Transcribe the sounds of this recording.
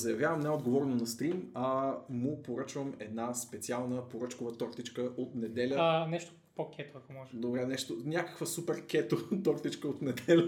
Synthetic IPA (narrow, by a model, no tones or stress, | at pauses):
zɐjɐvjavəmnɛod̪ɡovɔɾɛnonɐst̪ɾimamʊpoɾət͡ʃvəmɛd̪naspɛt̪sialˠnəpoɾɤt͡ʃkovət̪ɔɾt̪it͡ʃkəot̪nɛd̪ɛlʲənɛʃt̪ʊ̥ | pokʰʲɛt̪oɐkomɔʒd̪obɾɛnɛʃt̪onʲjakə̥kvəsupɛɾk̟ɛt̪ot̪ɔɾt̪it͡ʃkəot̪nɛd̪ɛlʲə